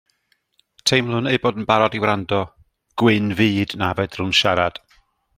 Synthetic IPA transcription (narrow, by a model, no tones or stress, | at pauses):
tʰejmlˠʊnejboːdn̩baɾɔdiwɾandɔ | ɡ̥wɪnviːdnavɛdrʊnʃaɾad̥